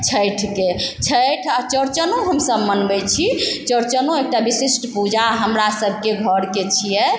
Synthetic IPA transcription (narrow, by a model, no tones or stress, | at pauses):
t͡ʃʰəjʈʰket͡ʃʰəjʈʰat͡ʃəɾt͡ʃənoɦəmsəbmənbɛjt͡ʃʰit͡ʃəɾt͡ʃənoek̚ʈabisisʈpud͡ʒaɦəmɾasəbʱkeɡʱəɾket͡ʃʰijɛ